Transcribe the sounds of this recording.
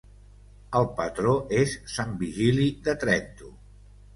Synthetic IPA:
əlˠpət̪ɾoʔesːambiʒiliðət̪ɾɛnt̪u

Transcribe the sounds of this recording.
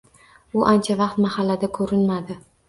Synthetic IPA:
ʊʔant͡ʃʰavɑqt̪mahalːad̪akʰɵɾɪnmad̪ɪ

